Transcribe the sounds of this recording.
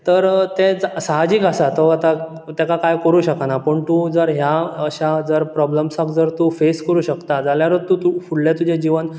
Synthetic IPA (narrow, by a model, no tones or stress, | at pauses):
t̪əɾt̪ẽd͡zsaɦad͡ʑiːkasat̪oat̪a | t̪akakajkəɾuːɕəkanapəɳt̪ud͡zəɾɦjaəɕad͡zəɾpɾɔbləmsakd͡zəɾt̪ufeskəɾuːɕəkt̪ad͡zaljaɾəɾt̪ut̪ufuɽljat̪ud͡ʑed͡ʑiʋən